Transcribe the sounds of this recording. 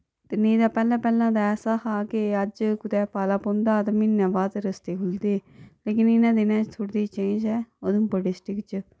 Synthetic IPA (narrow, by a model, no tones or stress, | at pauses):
t̪eːnẽːd̪aːpɛːlãːpɛːlãːd̪aːɛːsaːhaːkeəd͡ʒkʊt̪ɛːpaːlaːpõːnd̪aːt̪aːmɪnːãːʋaːt̪ɾəst̪eːkʰʊld̪eːleːkɪnɪnãːd̪ɪnãːt͡ʃt̪ʰʊɽd̪iːt͡ʃẽːd͡ʒɛːod̪mboɖɪsʈɪkt͡ʃ